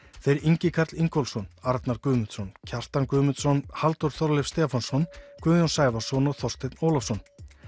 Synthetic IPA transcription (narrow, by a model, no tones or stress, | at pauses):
θejɾiɲcɪkʰaɾt̪liŋkɔlsɔnaɾt̪naɾkʏːmʏnt̪sɔncʰar̥t̪ankʏːmʏnt̪sɔnhalt̪uɾ̥θɔɾlɪfst̪ɛːfansɔnkʏːjɔnsaːjvasɔnɔɣθɔst̪ɪt̪noːwlafsɔn